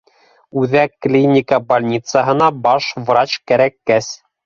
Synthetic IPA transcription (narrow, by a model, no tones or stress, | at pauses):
ʉðækːlʲinʲɪkəbɐlʲnʲit̪səɦɤ̆nɑbɑʃvrɑt͡ɕkæɾækːæs